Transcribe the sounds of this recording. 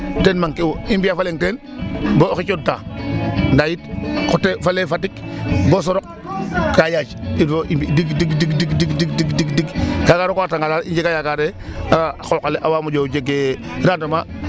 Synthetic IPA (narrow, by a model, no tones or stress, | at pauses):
tenmaŋkewoimbiafaleŋten | boxit͡ʃod̚ta̰ːndajitkɔtːefalefatikbos̬ɔɾɔk̚ | kajat͡ʃioʔidiɡdiɡdiɡdiɡdiɡdidiɡdiɡdiɡkakaːɾokoataŋɡalaːɾiɲd͡ʒekajaɡaɾeaxokaleʔawaːmud͡ʒod͡ʒeɡeɾadoma